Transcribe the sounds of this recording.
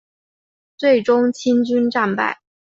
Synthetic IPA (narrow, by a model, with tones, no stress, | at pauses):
t͡swe˥˩ɪʈ͡ʂʊ˥ŋt͡ɕʰi˥nt͡ɕy˥nʈ͡ʂa˥˧npa̰˥˩ɪ